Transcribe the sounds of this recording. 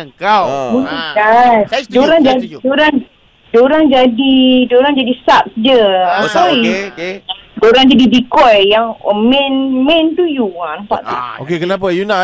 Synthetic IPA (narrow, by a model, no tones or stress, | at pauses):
kabulikadoɾaŋd͡ʒaidoɾaŋ | doɾaŋd͡ʒadidoɾaŋd͡ʒadisap̚s̚d͡ʒəasai | doɾaŋd͡ʒadidikɔjjaŋmɛ̃nmɛ̃nt̪ujuampa̰ʔt̪uokekənapajuna